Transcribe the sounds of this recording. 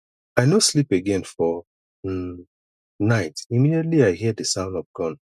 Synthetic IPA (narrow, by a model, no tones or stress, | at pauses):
aɪnoslipeɡɛ̃nfɔ | naɪtimidietliaɪhidəsãʊ̃ndɔvɡ̥ɔ̃n